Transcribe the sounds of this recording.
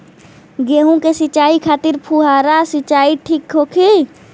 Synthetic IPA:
ɡeːɦũkesɪt͡ʃaːikʰaːt̪ɪɾpʰuːɦaːɾasɪt͡ʃaːiʈʰiːkɦoːkʰi

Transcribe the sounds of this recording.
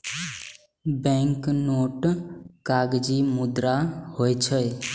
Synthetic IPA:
bɛ̃ŋknoʈkaɡd͡ʒimʊd̪ɾahojt͡ʃʰəj

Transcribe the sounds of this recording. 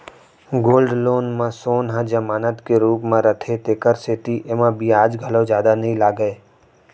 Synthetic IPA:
ɡoːlɖloːnmãsoːnɦãd͡ʒɐmaːnət̪keɾuːpmẽɾət̪ʰet̪eːkəɾseːt̪iʔemãbʱiaːd͡ʒɡʱəlozjaːd̪anəɦĩlaːɡəeː

